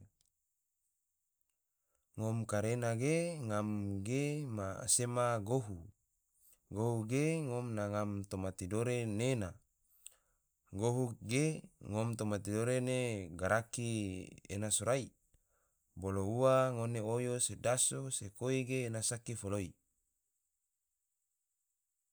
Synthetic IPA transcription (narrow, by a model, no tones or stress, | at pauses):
ŋomkaɾenaɡeŋamɡema̰semaɡoɦu | ɡoɦuɡeŋomnaŋamt̪omat̪idoɾenena | ɡoɦuɡeŋomt̪omat̪idoɾeneɡaɾakiḛnasoɾai | bolouwaŋoneojosedasosekoiɡeːnasakifoloi